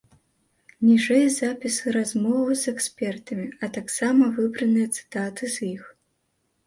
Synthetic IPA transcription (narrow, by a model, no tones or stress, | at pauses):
nʲiʐɛjɐzapʲisɨɾazmɔvɨzɛksʲpʲɛrt̪ɐmʲiɐt̪aksamɐvɨbɾɐnɨjɐt̪sɨ̥t̪at̪ɨzjix